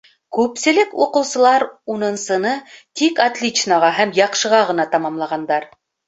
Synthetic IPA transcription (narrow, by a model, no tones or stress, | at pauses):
kʉpsɘ̆lɘkuqɤ̆wsɤ̆lˠɑɾunɤ̆nsɤ̆nɤt̪ikat̪lʲit͡ʃnaʁɑɦæmjɑqʃɤ̆ʁɑʁɤ̆nɑt̪ɑmɑmlˠɑʁɑnd̪ɑɾ